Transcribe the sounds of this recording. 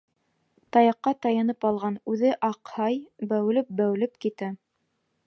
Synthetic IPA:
t̪ɑjɑqːɑt̪ɑjɑnɤpɑlˠʁɑnʉðɘʔɑqhɑjbæwlɘp̚bæwlɘpkit̪æ

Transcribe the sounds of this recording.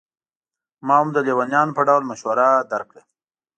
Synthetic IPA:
mɑhamd̪əlewanjɑnopəɖawlmaʃwaɾad̪aɾkɽə

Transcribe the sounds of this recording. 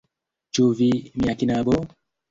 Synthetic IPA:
t͡ʃuvimiakinabɔ

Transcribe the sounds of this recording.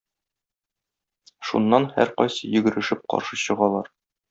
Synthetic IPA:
ʃṵnːɑnhæ̰ɾqɒ̰jsɤjɵ̆ɡɘ̆ɾɘ̆ʃɘp̚qɒ̰ɾʃɤɕɤ̆ʁɑlˠɑɾ

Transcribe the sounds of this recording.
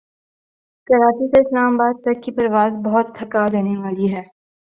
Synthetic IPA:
kɐɾaːt͡ʃiseɪslaːmabaːd̪̚t̪ɐkːipɐɾʋaːzbɐɦʊt̪ʰːɐkad̪eːneʋaːliɦɛː

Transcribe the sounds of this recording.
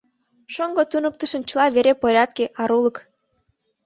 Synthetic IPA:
ʃoŋɡot̪unək̚t̪əʃənt͡ɕəlɑβeɾepoɾʲɑt̪keʔɑɾulək

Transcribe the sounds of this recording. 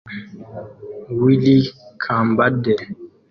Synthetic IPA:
wilikʰambadɛ

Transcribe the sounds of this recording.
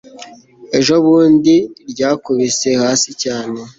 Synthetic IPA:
e̞ʒo̞βuːndiɾɟaːkuβise̞haːsicaːne̞

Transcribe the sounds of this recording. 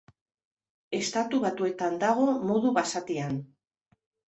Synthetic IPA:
e̞st̪at̪uβat̪ue̞t̪and̪aɣ̞o̞moðuβasat̪ian

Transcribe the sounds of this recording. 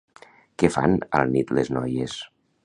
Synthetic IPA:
kefa̰nə̰lˠnit̪leznɔjes

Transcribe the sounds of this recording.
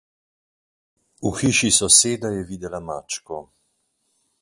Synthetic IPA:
uxiːʃisɔseːd̪ajɛvid̪ɛlamaːt͡ʃkɔ

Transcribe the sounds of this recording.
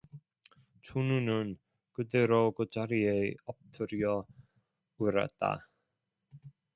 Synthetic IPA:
t͡ɕʰununɯn | kɯdeɾokɯt͡ɕaɾieʌp̚tʰɯɾiʌ | ɯɾa̰t̚t͈a̰

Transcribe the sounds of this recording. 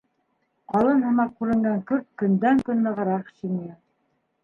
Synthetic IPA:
qɑlˠɤnɦɤ̆mɑq̚kʉɾɘ̆ŋɡæŋkɵɾt̪̚kɵ̆nd̪æŋkɵnːɤ̆ʁɤ̆ɾɑqʃimijɤ

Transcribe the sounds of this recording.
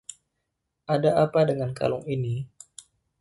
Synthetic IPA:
ʔadaʔapadəŋanka̰lʊŋini

